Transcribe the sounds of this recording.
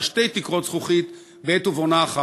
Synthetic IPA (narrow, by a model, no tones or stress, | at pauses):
ʃte̞jt̪ikʁo̞t̪sχuχit̪ | beet̪uvonaːχa